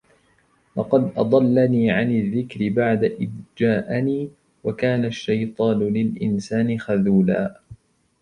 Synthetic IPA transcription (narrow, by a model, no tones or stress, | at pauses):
lɑqɑd̪ʔɑd̪ˤɑlːaniːʕanɪðːɪkɾɪbaʕd̪aʔɪdd͡ʒaːʔɪniː | wakaːnaʃːɑjt̪ˤɑːnʊlɪlʔɪnsaːnɪxaðuːla̰ː